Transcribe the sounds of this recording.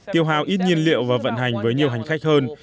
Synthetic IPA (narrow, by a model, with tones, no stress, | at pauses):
t̪i˧˩əwɦa̰ː˧˨˩wʔi˦˥t̚ɲi˧ənlḭ˧˨əwvaː˨˩və̰˧˨nɦa˨˩jŋ̟vəː˨˦jɲi˨˩əwɦa˨˩ŋ̟xa˦˥jk̟̚həː˧n